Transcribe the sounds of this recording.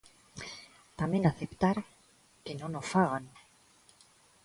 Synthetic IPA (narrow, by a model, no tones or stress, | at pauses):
t̪amjẽnaθept̪aɾ | kenonosfaɣan